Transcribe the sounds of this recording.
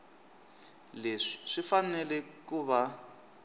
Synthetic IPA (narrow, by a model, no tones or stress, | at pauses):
leʂifanɛlɛkuβa